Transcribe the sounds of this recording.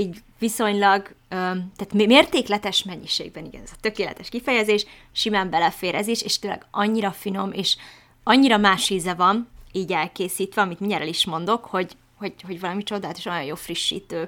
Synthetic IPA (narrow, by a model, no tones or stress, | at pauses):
iːɟviso̞ɲlɒɡøt̪æːt̪mmeːrt̪eːklɛt̪ɛʃmɛɲːiʃḛːɡ̚bɛniɡɛ̰nɛzɒt̪ø̞keːlɛ̰t̪ɛʃkifɛjɛzeːʃ | ʃimaːmbɛlɛfeːɾʔɛzeːʃeːʃt̪øːlɛ̰ɡɒɲːiɾɒfino̞meːʃ | ɒɲːiɾɒmaːʃiːzɛvɒniːɟɛlkeːsiːt̪ʋɛɒmit̪miɲɛɾɛliʃmo̞n̪d̪o̞kho̞ɟ | ho̞ɟho̞ɟvɒlɒmit͡ʃo̞d̪aːlt̪oʃojojoːlfriʃːḭːt̪øː